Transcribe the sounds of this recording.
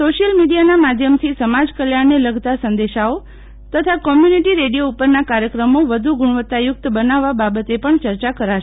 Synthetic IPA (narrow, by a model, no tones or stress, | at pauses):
soʃijəlmiɖijanamad̪ʱjəmt̪ʰisəmad͡ʒkəljaɽneləɡt̪asənd̪eʃao | t̪ət̪ʰakɔmjuniʈiɾeɽijoupəɾnakaɾjəkɾəmoʋəd̪ʱuɡʊɽ̃əʋət̪ːajʊk̚t̪bənaʋːababət̪epəɳt͡ʃəɾt͡ʃakəɾaʃe